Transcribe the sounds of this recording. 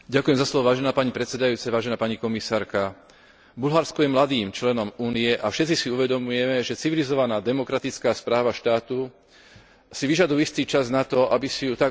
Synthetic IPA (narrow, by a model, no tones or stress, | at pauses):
ɟakujɛmzaslɔʋɔʋaːʒɛnaːpaɲipɾɛt̪sɛd̪ajuːt͡sɛʋaːʒɛnaːpaɲikɔmisaːɾka | bulɦaɾskɔjɛmlad̪iːmt͡ʃlɛnɔmuːniɛʔafʃɛt̪t͡sisiuʋɛd̪ɔmujɛmɛʒɛt͡siʋilizɔʋanaːd̪ɛmɔkɾat̪it͡skaːspɾaːʋaʃt̪aːt̪u | siʋiʒad̪ujist̪iːt͡ʃaznat̪ɔʔabisijut̪a